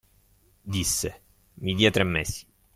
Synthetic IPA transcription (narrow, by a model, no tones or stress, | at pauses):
d̪isːe | mid̪iːat̪ɾɛmːesi̥